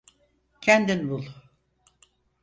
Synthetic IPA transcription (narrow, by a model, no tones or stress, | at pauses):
cʰænd̪inbulˠ